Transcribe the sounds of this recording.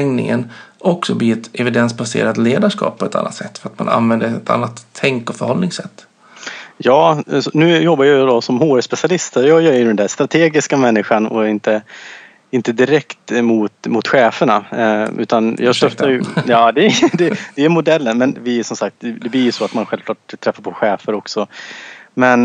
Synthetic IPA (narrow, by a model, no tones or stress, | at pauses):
ɛŋnɪ̰ŋə̰nʔɔksɔbliːɛt̪ɛvɪd̪ɛnsbasḛːɾat̪leːd̪aʂkɑ̰ːp̚pʰːɔɛt̪ʰa̰nːa̰t̪sɛt̪ːfœɾat̪ma̰na̰nvɛnd̪əɛt̪ʰa̰nːat̪ʰːɛŋkɔfœɾhɔlnɪŋsɛt̪ː | jɑːsɔnʉ̟ːjɔbːaɾjajd̪ɔsɔmhoːɾspɛsɪalɪst̪əɾjɑːjɑɪd̪ɛnd̪æst̪ɾat̪ʰeːɡɪskamɛnːɪɧanɔ̰ɪnt̪ə | ɪnt̪əd̪ɪɾɛkt̪mʊt̪mʊt̪ɧɛːfəɳaʉ̟ːt̪anjɑːɡsœft̪ːaɾjjɑːd̪ɛd̪ɛd̪ɛæɾmʊd̪ɛlːənmɛnvɪsɔmsak̚t̪̚ɛd̪ɛblɪjsɔat̪manɧɛlvkʰlɑːʈt̪ʰːɾɛfːaɾpʰɔɧɛːfəɾɔksɔ | mɛn